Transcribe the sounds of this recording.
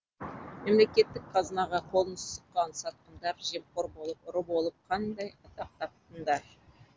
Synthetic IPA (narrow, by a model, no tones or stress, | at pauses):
memle̞kʲe̞t̪ːɪkqʰɑzənɑʁɑqʰo̞lˠənəst̪əqːɑnsɑt̪̚qənd̪ɑɾʒe̞mqoɾbolˠəpɾəbo̞lˠəp̚qʰɑnd̪ɑjɑt̪ɑq̚t̪ɑp̚t̪ənd̪ɑɾ